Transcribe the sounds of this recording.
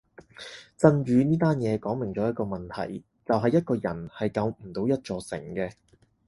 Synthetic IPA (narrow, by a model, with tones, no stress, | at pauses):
t͡sɐ˧nɥyː˨˧niː˥t̪aː˥njɛː˨˧kɔː˨˥ŋmɪ˨˩ŋt͡sɔː˨˥jɐ˥t̚kɔː˧mɐ˨nt̪ʰɐ̰˨˩j | t͡sɐ˨wɦɐ˨jːɐ˥t̚kɔː˧jɐ˨˩nhɐ˨jkɐ˨˧wm̩˨˩t̪o˨˧wjɐ˥t̚t͡ʃɔː˧sɪ̰˨˩ŋkɛː˧